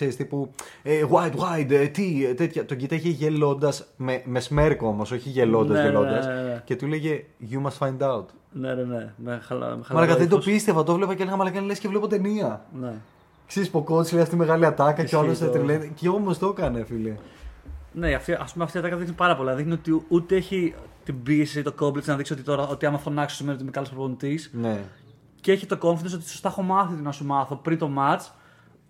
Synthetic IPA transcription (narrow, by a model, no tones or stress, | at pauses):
kseɾist̪ipueɣwajd̪wajd̪t̪it̪et̪çɐt̪o̞ɟit̪ɐʝeʝe̞lo̞nd̪ɐsmemesme̞ɾkoo̞mo̞so̞çiʝe̞lo̞nd̪ɐzzʝello̞d̪ɐsce̞t̪uleʝe | ʝumɐst̪fajnd̪ɐwt̪ | neenemel̰mealmɐlɐkɐðed̪opist̪e̞vɐt̪ovle̞pɐcelenɐmɐlɐkɐnlescevle̞pot̪e̞niɐne | kseɾispokot͡s̪sileɐft̪ime̞ɣɐliɐt̪ɐkɐceoɐloset̪ɾilenceomost̪o̞kɐnefile | ne̞ɐft̪iʔɐspumeɐft̪iɐt̪ɐkɐðixnipɐɾɐpolinɐðixnio̞t̪iut̪eeçit̪ibisit̪o̞ko̞blit̪snɐðiksio̞t̪it̪o̞ɾɐo̞t̪iɐmɐfonɐksosimenioimekɐlospɾvonit̪isne | ceeçit̪o̞ko̞ɱfinos̬ot̪i̥so̞st̪ɐexo̞mɐθit̪inɐsumɐθo̞pɾint̪o̞mɐt͡s